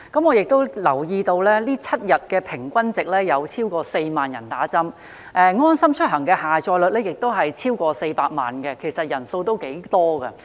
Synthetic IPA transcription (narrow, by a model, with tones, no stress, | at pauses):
kɐ˨˥mŋɔ˨˧jɪ˨k̚t̪o˥wlɐ˨˩wjiː˧t̪o˧wlɛː˥liː˥t͡sʰɐ˥t̚jɐ˨t̚kɛː˧pʰɪ˨˩ŋkʷɐ˥nt͡sɪ˨k̚lɛː˥jɐ˨˧wt͡sʰiː˥wkɔː˧se˧jmaː˨njɐ˨˩nt̪aː˨˥t͡sɐ˥m | ʔɛː˧ŋɔː˥nsɐ˥mt͡ʃʰɵ˥t̚ɦɐ˨˩ŋkɛː˧haː˨˩t͡ʃɔː˧jlɵ˨t̚lɛː˥jɪ˨k̚t̪o˥wɦɐ˨jt͡sʰiː˥wkɔː˧se˧jpaː˧k̚ma̰ː˨˩nkɛ˧kʰe˨˩jsɐ˨t̚jɐ˨˩nso˧wt̪o˥wke˨˥jt̪ɔː˥ɡɐ˧